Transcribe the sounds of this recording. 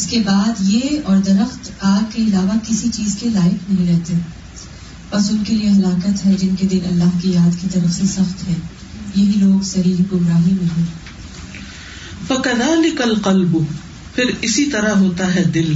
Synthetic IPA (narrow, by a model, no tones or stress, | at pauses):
ɪskebaːd̪jeɔːɾd̪ɐɾəxt̪aːɡ̚keɪlaːʋakɪsit͡ʃiːzkelaːɪknɐɦĩɾɛɦt̪e | pɐsʊnkelieɦɐlaːkət̪ɦɛd͡ʒɪnked̪ɪnɐ̰lːaːɦkijaːd̪kit̪ɐɾəxisɐxt̪ɦɛ̃ː | jɐɦiloːɡsɐɾiːɦɡʊɡɾaːɦimẽɦɛ̃ː | fɐkɐðaːlɪkɐlqɐlbʊ | pʰɪɾɪsit̪ɐɾaɦoːt̪aɦɛd̪ɪl